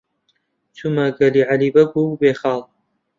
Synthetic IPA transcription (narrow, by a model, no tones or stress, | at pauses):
t͡ʃʰumɐɡɐliːʕalibɐɡubeːxɑːlˠ